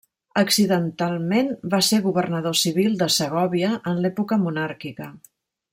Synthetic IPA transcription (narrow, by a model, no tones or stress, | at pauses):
əksiðənt̪alˠmenbaseɣuβərnəðosiβ̞ilˠd̪əsəɣɔβiəənlɛpukəmunaɾkikə